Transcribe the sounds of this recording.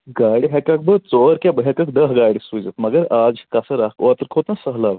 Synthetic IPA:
ɡaɽiɦɛkak̚bət͡soɾkjabəɦɛkək̚d̪əɦɡaɽisud͡zət̪məɡəɾad͡zikasəɾakʋat̪əɾkʰot̪nasəɦlaʋ

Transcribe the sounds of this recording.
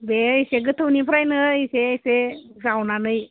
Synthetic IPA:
beiseɡɯtʰɯwnipʰɾajnɯiseisezawnanɯj

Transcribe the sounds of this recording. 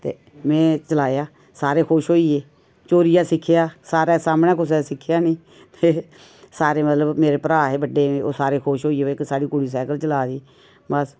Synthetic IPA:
t̪ḛː | mɛ̃ːt͡ʃəlaːjaː | saːɾeːkʰoːʃɦoːiːeː | t͡ʃoːɾɪjaːsɪkʰːjaːsaːɾaːsaːmnaːkʊs̬ɛːsɪkʰːjaːnĩː | t̪eː | saːɾeːmət̪ləbmeːɾeːpɾaːɦeːbəɖeːẽo̰ːsaːɾeːkʰoːʃɦoːiːeːeksaːɽiːkʊɽiːs̬ɛːkəlt͡ʃəlaːɾiː | bəs

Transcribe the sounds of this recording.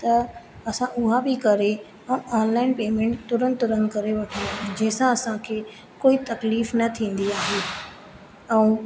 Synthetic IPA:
t̪ɐ | ɐsãʔʊɦabɪkɐɾe | ɛ̃ʔaːnlaːɪnpeːmẽːɳʈt̪ʊɾənt̪ʊɾənkɐɾeʋɐʈʰid͡ʑɐ̃ːɪsãɐsãkʰeː | koːit̪ɐkliːfnɐt̪ʰĩːn̆d̪iaːɦe | ɛ̃ũ

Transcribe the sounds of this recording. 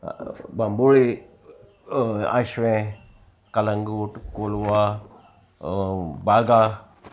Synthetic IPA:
bamboːle | a̰ʃʋẽ | kɐləŋɡuːʈkolwa | baːɡa

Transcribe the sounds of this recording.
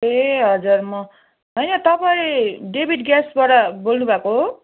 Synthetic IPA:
eɦʌd͡zurmʌ | ɦʌjnʌt̪ʌpaĩɖebʱiʈɡasbaʈʌbolnubʱako

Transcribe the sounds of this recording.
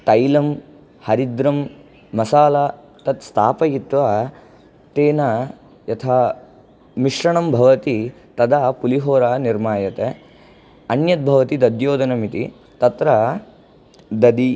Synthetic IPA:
t̪ɐjlɐm | hɐɾid̪ɾɐmː | ɐsaːla | t̪ɐt̪st̪ʰaːpɐjit̪ʋa | t̪eːnɐ | jɐt̪ʰaː | miʂɾɐɳɐmbʱɐʋɐt̪i | t̪ɐd̪aːpuliɦoːɾaːniɾmaːjɐt̪e | ɐnjɐt̪̚bʱɐʋɐt̪id̪ɐd̪joːd̪ɐnɐmit̪ḭ | t̪ɐt̪ɾɐ | d̪ɐd̪i

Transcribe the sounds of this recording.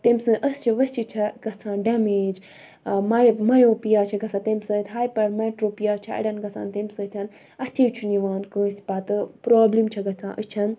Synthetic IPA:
t̪emʲsɨ̃ʔəst͡ʃʰiʋɐst͡ʃʰit͡ʃʰɐɡ̥ɐt͡sʰãːnɖɐmeːd͡ʒ | mɐmɐjoːpijaːt͡ʃʰɐɡɐsʰãːt̪emsɨ̃t̪ʲɦaːjpɐɽmɐʈɾoːpijaːt͡ʃʰɐɐ̰ɽʲɐnɡɐt͡sʰa̰ːnt̪emʲsɨt̪ʲʰɐn | ɐt̪ʲʰet͡ʃʰuniʋaːnkə̃ːsʲpaːt̪ɨpɾoːblimt͡ʃʰɐɡɐt͡sʰã̰ːʔət͡ʃʰɐn

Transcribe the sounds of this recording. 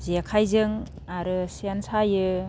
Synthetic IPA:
ziakʰajzɯŋ | aɾɯsiansajɯ

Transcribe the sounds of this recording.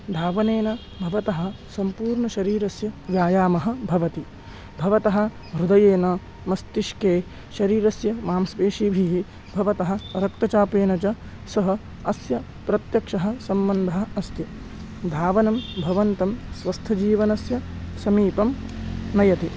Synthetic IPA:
d̪ʱaːʋɐneːnɐ | bʱɐʋɐt̪ɐɦɐ̆ | sɐmpuːɾɳɐʃɐɾiːɾɐsjɐʋjaːjaːmɐɦɐ̆bʱɐʋɐt̪i | bʱɐʋɐt̪ɐɦɐ̆ | ɦɾud̪ɐjeːnɐ | mɐst̪iʃkeː | ʃɐɾiːɾɐsjɐmaːmsʋeːʂiːbʱiɦi | bʱɐʋɐt̪ɐɦɐ̆ɐɾɐk̚t̪ɐt͡ʃaːpeːnɐt͡ʃɐ | sɐɦɐ̆ | ɐsjɐ | pɾɐt̪jɐkʂɐɦɐ̆sɐmbɐnd̪ʱɐɦɐɐst̪ji | d̪ʱaːʋɐnɐmbʱɐʋɐnt̪ɐmsʋɐst̪ʰɐd͡ʒiːʋɐnɐsjɐ | sɐmiːpɐmnɐjɐt̪i

